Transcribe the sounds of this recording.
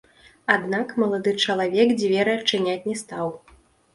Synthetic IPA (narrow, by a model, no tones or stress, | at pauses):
ad̪nakmɐlˠad̪ɨt͡ʂɐlˠavʲɛkd͡zʲvʲɛɾɨɐt͡ʂːɨnʲat͡sʲnʲɛst̪aw